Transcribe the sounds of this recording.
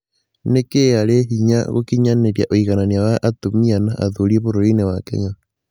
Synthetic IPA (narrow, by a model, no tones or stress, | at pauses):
nekeaɾeɦiɲa̰ɣo̰kiɲaneɾjaʔoiɣananiawaʔatomianaʔa̰ðoɾieβoɾoɾinewakḛɲa